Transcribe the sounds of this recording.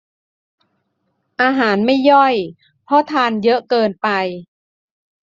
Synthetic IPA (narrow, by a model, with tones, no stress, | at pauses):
ʔaː˧ɦaː˩˦nma˥˩jːɔ˥˩j | pʰɔ˦˥t̪ʰaː˧njɤ˦˥ʔkɤː˧npa˧j